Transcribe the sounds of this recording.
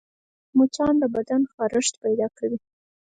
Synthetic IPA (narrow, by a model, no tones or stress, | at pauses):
mot͡ʃɑnd̪əbad̪anxɑɾəʂt̪pajd̪ɑkawi